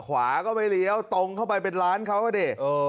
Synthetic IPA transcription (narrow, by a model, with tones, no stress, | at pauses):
kʰwaː˩˦kɔː˥˩pa˧jli˧˦əwt̪o˧ŋkʰa˥˩wpa˧jpe˧nɾaː˦˥nkʰa˦˥˩wkɔː˥˩deː˧˩ʔɤː˧